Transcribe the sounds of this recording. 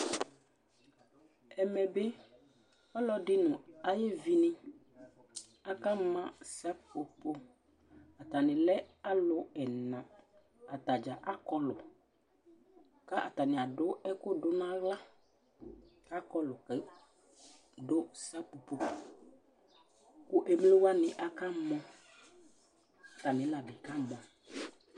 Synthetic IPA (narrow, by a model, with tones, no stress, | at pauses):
ɛ˨mɛ̃˨be˦ | ɔ˦lɔ˦ɖɪ˦nʊ̃˨a˦je˦vi˦nɛ̃˦ | a˦ka˦mã˦sa˦po˨po˦ | a˨t̪a˨nɪ̃˨lɛ˦a˦lʊ˦ɛ˨nã˨ | a˨t̪a˨d͡ʒa˨ʔa˦kɔ˦lʊ˨ | ka˦ʔa̰˨t̪a˨nɪ̃˨a˨dʊ˦ɛ˦kʊ˦dʊ˦nã˦la˦ | a˦kɔ˦lʊ˨kɛ˨˦ | do˦sa˦po˨po˨ | ku˦ʔe˦m˦le˦wa˦nɪ̃˨ʔa˦ka˦mɔ̃˦ | a˨t̪a˨nɪ̃˨˦la˨bi˨ka˦m˨a˨